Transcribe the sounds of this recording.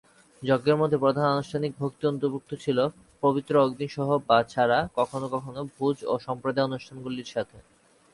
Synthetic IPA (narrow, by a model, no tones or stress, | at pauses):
d͡ʑoɡːeɾmod̪ʱːepɾod̪ʱanɔnuʃʈʰanik̚bʱok̚t̪iont̪oɾbuk̚t̪ʰot͡ɕʰilo | pobit̪ːɾooɡd̪inʃɔɦobat͡ɕʰaɾakɔkʰonokɔkʰonobʱud͡ʑoʃɔmpɾod̪aonuʃʈʰanɡuliɾʃat̪ʰe